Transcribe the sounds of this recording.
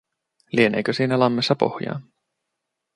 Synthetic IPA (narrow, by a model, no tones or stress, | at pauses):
lieneːkøsiːnælɑmːesːɑpo̞̰hjɑ̰ːn